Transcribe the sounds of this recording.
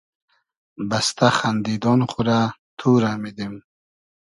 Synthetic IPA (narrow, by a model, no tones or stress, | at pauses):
bast̪ʰaχand̪id̪ɔnχuɾat̪ʰuɾamid̪im